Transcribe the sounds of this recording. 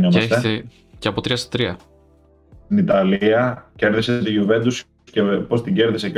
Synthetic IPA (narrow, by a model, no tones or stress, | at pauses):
ɲomeseç̪t̪ee | ceɐpot̪ɾiɐst̪ɐ̥t̪ɾiɐ | sinit̪ɐliɐceɾðiset̪iʝuve̞nd̪us | cepo̞st̪iɟe̞ɾðisec